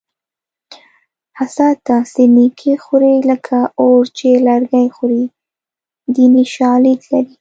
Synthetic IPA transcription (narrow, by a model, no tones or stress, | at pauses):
hasat̪asenikʰexuɾiləkʰaoɾt͡ʃelaɾɡajxʊɾi | d̪iniʃɑlid̪laɾi